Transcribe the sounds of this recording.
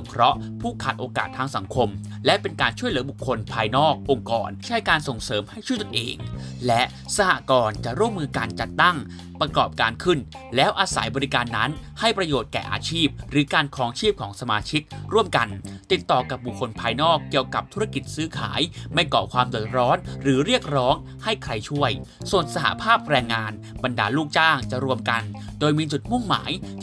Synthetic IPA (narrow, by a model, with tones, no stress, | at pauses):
o˨˦mkʰɾɔ˦˥ʔpʰuː˥˩kʰaː˨˩t̪̚ʔoː˧ka̰ː˨˩t̪ʰːaː˧ŋsa˩˦ŋkʰo˧m | lɛ˦˥ʔpe˧nkaː˧nt͡ɕʰu˥˩əjlɯ˩˦bu˨˩kʰːo˧npʰaː˧jnɔː˥˩k̚ʔo˧ŋkɔ̰ː˧nt͡ɕʰa˦˥˩jkaː˧nso˨˩ŋsɤː˩˦mha˥˩jt͡ɕʰu˥˩ət̪u˨nʔḛː˧ŋlɛ˦˥ʔ | sa˧ha̰˨˩ʔkɔː˧nt͡ɕa˨˩ʔɾu˥˩əmːɯː˧kaː˧nt͡ɕa˨˩t̪ːa˥˩ŋ | pɾa˧kɔː˨˩p̚kaː˧nkʰɯ˥˩n | lɛː˦˥wʔaː˧sa̰˩˦jbɔː˧ɾi˦˥kaː˧nːa˦˥nha˥˩jpɾa˧joː˨˩t̪̚kɛ̰ː˨˩ʔa̰ː˧t͡ɕʰiː˥˩p̚ɾɯː˩˦kaː˧nkʰɔː˦˥ŋt͡ɕʰiː˥˩p̚kʰɔː˩˦ŋsa˧maː˧t͡ɕʰi˦˥k̚ɾu˥˩əmka˧nt̪i˨˩t̪ːɔː˨˩ka˨˩p̚bu˨˩kʰːo˧npʰaː˧jnɔː˥˩kːi˨˩əwka˨˩p̚t̪ʰu˦˥ɾa˥˧ki˨˩t̪̚sɯː˦˥kʰa̰ː˩˦jma˥˩jkɔː˨˩kʰwaː˧mdu˨˩ət̪̚ɾɔː˦˥nɾɯː˩˦ɾi˥˩ək̚ɾɔː˦˥ŋ | ha˥˩jkʰɾa˧jt͡ɕʰu˥˩əj | su˨˩ən̚sa˧ha̰˧˥pʰaː˥˩p̚ɾɛː˧ŋːaː˧n | ba˧ndaː˧luː˥˩k̚t͡ɕaː˥˩ŋt͡ɕa˨˩ʔɾu˧əmka˧n | doː˧jmiː˧t͡ɕu˨˩t̪̚mu˥˩ŋma̰ː˩˦j